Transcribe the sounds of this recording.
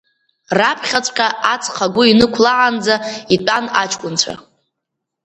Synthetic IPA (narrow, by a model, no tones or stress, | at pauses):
rapʰχʲat͡sʷʼqʲʼaat͡sʰʼχaɡʷʊinɨkʷʰlaʕand͡zaitʷʼanat͡ʃʰʼkʷʼʊnt͡ɕʷʰa̰